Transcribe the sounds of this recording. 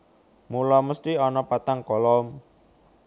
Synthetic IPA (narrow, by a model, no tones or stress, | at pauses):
mulɔməst̪iɔnɔpat̪aŋkɔlɔm